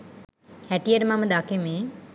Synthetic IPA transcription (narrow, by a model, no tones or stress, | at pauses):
hæʈijəɾəmaməd̪akeme